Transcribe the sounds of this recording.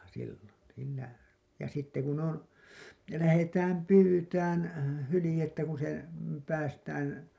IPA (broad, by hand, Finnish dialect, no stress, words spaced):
silːon siːnæ jɑ sitːe kun on læhetæːm pyːtæːn hylĭjetːæ kun se pæːstæːn